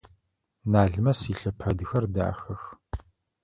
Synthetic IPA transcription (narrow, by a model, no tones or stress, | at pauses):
naːɮmɐsiːɬɐpʰɐdɨxɐrda̰ːxɐx